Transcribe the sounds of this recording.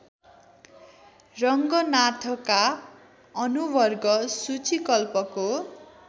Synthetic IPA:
rʌŋɡʌnat̪ʰʌka | ʌnubʌrɡʌsut͡sʰikʌlpʌko

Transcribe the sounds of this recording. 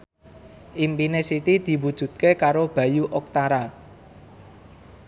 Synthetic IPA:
ʔimpinesit̪id̪̥i̤wud̥ʒ̥ṳt̪̚kekaɾob̥ä̤juʔɔk̚t̪aɾa

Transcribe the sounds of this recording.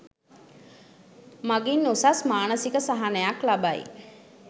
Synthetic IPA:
maɡinːusasmaːnəsikəsaɦanəjaklabaḭ

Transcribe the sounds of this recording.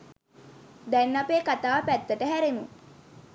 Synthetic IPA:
d̪ænːapeːkat̪aːpæt̪ːəʈəɦæɾemu

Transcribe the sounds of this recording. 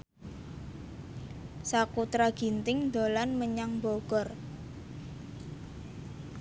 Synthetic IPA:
sakut̪ɾaɡ̥i̤nt̪ɪŋd̪o̤lanməɲaŋmboɡ̥ɔr

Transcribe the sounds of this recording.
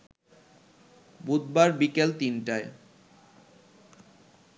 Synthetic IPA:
bud̪̚baɾbikelt̪inʈae

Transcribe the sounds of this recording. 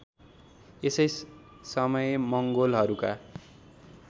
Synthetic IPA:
esʌj | sʌmʌjmʌŋɡolɦʌɾuka

